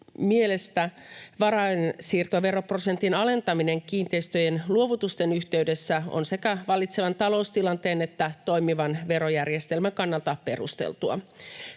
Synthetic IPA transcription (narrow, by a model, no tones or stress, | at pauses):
miele̞st̪æʋɑɾɑensiːrt̪oʋe̞ɾo̞pro̞se̞nt̪inɑle̞nt̪ɑmine̞ŋkiːnt̪eist̪øjenluo̞ʋut̪ust̪enyçt̪e̞yde̞sːæo̰nsekæʋɑlːˑit̪seʋɑnt̪ɑlo̞ust̪ilɑnt̪e̞ːne̞t̪ːæt̪o̞jmiʋɑnʋe̞ɾojærjest̪e̞lmæŋkɑnːɑlt̪ɑpe̞rṵst̪ḛlt̪uɑ̰